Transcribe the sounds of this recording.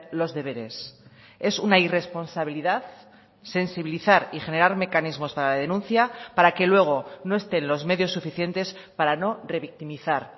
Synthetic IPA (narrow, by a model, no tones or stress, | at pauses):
lo̞zðe̞βe̞ɾe̞s | e̞sunaire̞spo̞nsaβ̞iliðað | se̞nsiβiliθaɾixe̞ne̞ɾaɾme̞kanizmo̞spaɾalað̞enũnθjapaɾake̞lwe̞ɣ̞o̞no̞e̞st̪e̞nlo̞zme̞ðjo̞sːufiθje̞nt̪e̞s | paɾano̞re̞βik̚t̪imiθaɾ